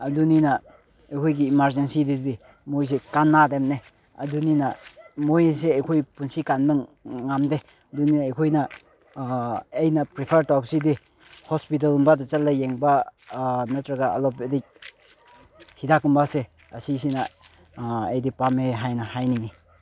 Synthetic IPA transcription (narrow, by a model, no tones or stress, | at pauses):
ɐduninɐ | ɐjkʰojɡiːmaɾzensididi | mojs̬ekanːademne | ɐ̰duninɐmojs̬eɐjkʰojpunsikanbɯŋŋamde | ɐduninɐːjkʰojnɐ | jnɐpɾipʰeɾtɔpsidi | hɔspit̬alumbadɐt͡ʃɐlːajeŋba | nɐtɾɐɡaɐ̰lɔpedi | hidakumbase | ɐsis̬inɐ | ḛjdipameɦajnɐhajnini